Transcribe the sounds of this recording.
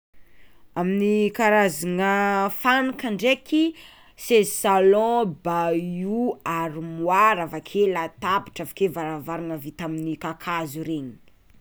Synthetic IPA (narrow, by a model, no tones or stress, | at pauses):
aminikaɾaziŋəfanikaɳɖ͡ʐeki | sezsalɔ̃bajuaɾimwaɾavakʰelat̪abiʈ͡ʂavḁkevaɾavaɾaŋəvit̪aminikakʰazuɾeɲi̥